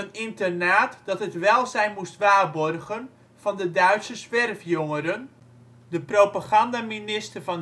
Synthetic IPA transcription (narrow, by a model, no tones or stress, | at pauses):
ənɪntərnaːtd̥ɑtətʋɛlˠzɛjnmustʋaːrbɔrɣən | vɑndədœɥtsəzʋɛrfjoŋəɾən | dəprowpaχɑndaminɪstərvɔn